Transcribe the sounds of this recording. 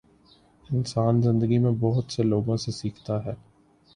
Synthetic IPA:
ɪnsaːnzɪ̃nd̪əɡimẽbɔɦʊt̪seloːɡõsesiːkʰt̪aɦɛː

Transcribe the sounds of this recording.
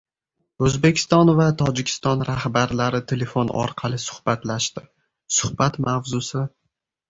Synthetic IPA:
ɵzbekʲʰɪ̥st̪ɒnvat̪ʰɒd͡ʒɪkʲʰɪ̥st̪ɒnɾahbaɾlaɾɪt̪ʰe̞le̞fonɒ̰ɾqʰɑlˠɪsʊ̥hb̥at̪laʃt̪ɪ | sʊhbat̪mavzʊsɪ

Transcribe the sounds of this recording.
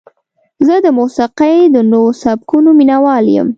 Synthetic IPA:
zəd̪əmusiqejd̪ənosabkunominawɑljə̰m

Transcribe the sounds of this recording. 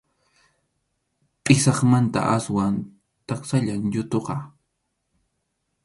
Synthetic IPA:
pʼɪsɑχmant̪a̰ʔaswan | t̪ɑχsaʎaŋʎʊt̪oqɑ

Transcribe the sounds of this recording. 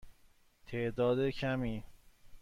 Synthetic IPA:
t̪ʰeʔd̪ɒːd̪ecʰæmiː

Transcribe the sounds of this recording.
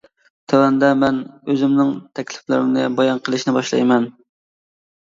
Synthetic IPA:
t̪ʰɛwɛnd̪ɛmɛnøzɪmnɪŋt̪ʰɛkʲlɪflɪɾɪmnɪbɑjɑnqʰəlˠɨʃnɪbɑʃlˠɑ̰jmɛn

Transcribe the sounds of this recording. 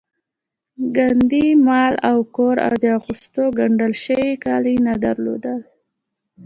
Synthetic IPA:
ɡand̪imɑlawkoɾa̰wd̪əaɣust̪oɡaɳɖəlʃəwikɑlinad̪aɾlo̰d̪əl

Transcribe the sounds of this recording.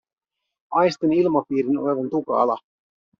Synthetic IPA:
ɑjst̪enilmɑpiːɾinoleʋɑnt̪ukɑ̰lɑ

